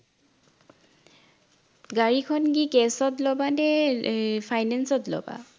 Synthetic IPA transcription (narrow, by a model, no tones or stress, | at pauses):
ɡaɹikʰɔnɡikɛsɔtlɔbanɛ | pʰajnɛnsɔtlɔ̰ba̰